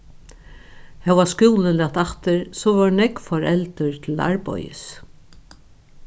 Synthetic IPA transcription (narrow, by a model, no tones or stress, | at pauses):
hɛwaskuːwləlɛt̪aht̪ɪɹsɔʋɔɹnɛkfɔɹɛlt̪əɹt̪ʰɪla̰ɹpɔ̰jɪ̰s